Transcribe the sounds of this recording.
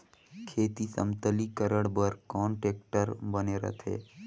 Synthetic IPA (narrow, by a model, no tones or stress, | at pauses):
kʰeːt̪isə̰mt̪əlikəɾəɽbəɾkɔ̃ːɳʈeːk̚ʈəɾbəneɾə̰t̪ʰḛː